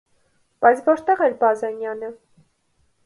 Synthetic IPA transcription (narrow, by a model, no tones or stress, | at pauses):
b̥ɑjt͡sʰvɔɾt̪ɛʁɛɾbɑzɛnjɑnə